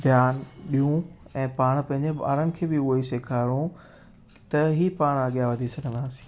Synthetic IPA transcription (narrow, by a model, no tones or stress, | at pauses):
d̪ʱjaːnɓijũɛ̃ːpaːɽ̃pɐ̃ɦɪ̃ɲd͡ʑeɓa̰ːɾənɪ̆kʰeːbɪʊɦoiseːkʰaːɪɽũ | t̪ɐɦipaːɽ̃ɐɠijaʋɐd̪ʱisɐɡʱə̃nd̪aːsĩ̥ː